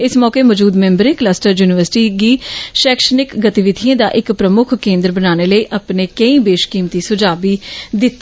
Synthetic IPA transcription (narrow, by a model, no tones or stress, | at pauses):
ɪsmɔːkeːmɔːd͡ʒuːd̪mɛ̃ːmbəɾeːkləsʈəɾjuːnɪʋəɾsɪ̥ʈiːɡiːʃɛːkʃənɪkɡət̪ɪʋɪd̪ʱiẽːd̪a̰ːʔɪkpɾəmʊkʰkẽːnd̪əɾbənaːneːləiːʔaːpneːkəĩːbeːʃkiːmt̪iːsʊd͡ʒaːbiːd̪ɪt̪ː